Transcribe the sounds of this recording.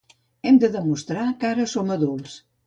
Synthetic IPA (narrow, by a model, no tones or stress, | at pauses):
ɛmd̪əðəmust̪ɾakaɾəsoməðulˠs